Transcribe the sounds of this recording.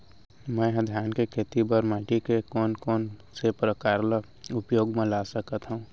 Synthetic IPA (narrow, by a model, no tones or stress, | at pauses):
mə̃ɦəd̪ʱjaːnkekʰeːt̪ibəɾmãːʈikekɔːnkɔːnsepɾəkaːɾlə | ʊpjoːɡmẽlasəkət̪ɦũũ